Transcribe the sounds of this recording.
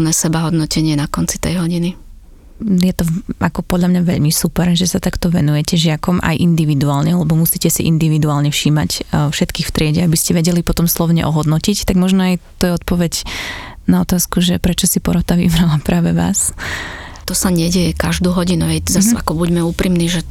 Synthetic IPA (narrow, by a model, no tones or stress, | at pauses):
nɛːsɛbaɦɔd̪nɔcɛɲɪɛnakɔnt͡si̥t̪ɛ̰jɦɔɟini | jɛt̪ɔakɔpɔd̪lʎamɲaʋɛʎmisupɛɾʒɛsat̪akt̪ɔʋɛnujɛcɛʒɪakɔmʔa̰jʔind̪iʋid̪uaːlɲɛalɛbɔmusiːcɛsḭʔḭnd̪iʋid̪uaːlɲɛfʃiːmacfʃɛt̪kiːxft̪ɾɪɛɟɛabiscɛʋɛɟɛlipɔt̪ɔmslɔʊɲɛ̰ʔɔɦɔd̪nɔcict̪aɡmɔʒnɔajt̪ɔjɛɔt̪̚pɔʋɛɟnaɔt̪aːskuʒɛpɾɛt͡ʃɔsipɔɾɔt̪aʋḭbɾalapɾaːʋɛʋa̰ːs | t̪ɔsaɲɛɟɛjɛkaʒd̪uːɦɔɟinuɦɛzasa̰kɔbuɟmɛuːpɾimniʒɛ